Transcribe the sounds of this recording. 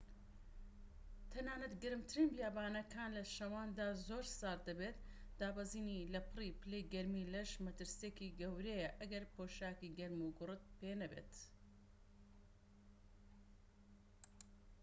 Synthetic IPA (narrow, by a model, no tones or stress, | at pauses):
t̪ʰɐnaːnɐt̪ɡɨɾɨmt̪ʰɨɾiːnbjaːbaːnɐkʰaːnlɐʃɐwaːnd̪aːzoːɾsaːɾd̪ɐbet̪d̪̥aːbaziːnilɐpʰɨriːpɨlejɡɐɾmiːlɐʃmɐt̪ɨɾsijekiɡɐwɾejɐʔɐɡɐɾpoːʃaːkiːɡɐɾmuɡʊrɨt̪̚penɐbḛt̪